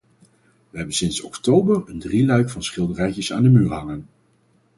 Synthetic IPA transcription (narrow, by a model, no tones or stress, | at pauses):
ʋəɦɛbənsɪnsɔktowbərəndrilœɥkfɑnsχɪlˠdərɛjcəsa̰ːndəmyːɹɦɑŋən